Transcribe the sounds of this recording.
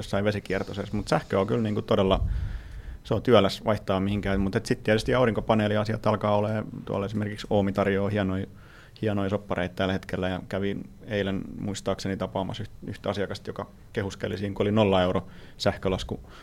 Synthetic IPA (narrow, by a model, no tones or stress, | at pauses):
josːɑiʋesikiɛrt̪osesmut̪sæhkøokylniːŋkut̪odelːɑ | seot̪yælːˑæsʋʔɑiht̪ɑːmihiŋkæːmut̪et̪sit̪t̪ːiæt̪yst̪iɑuriŋkopɑneːliɑsiɑt̪ɑlkɑːoleːt̪uɑ̰lesimerkiksoːmit̪ɑrjoːhiɑnoi | hiɑnoisopːɑreit̪t̪ælhet̪kelːæjɑkæʋieilænmuist̪ɑːksenit̪ɑpɑːmɑ̰syht̪yht̪ɑsiɑkɑst̪jokɑ | kehuskelːˑisiːŋkuolinolːɑeuɾo | sæhkølɑsku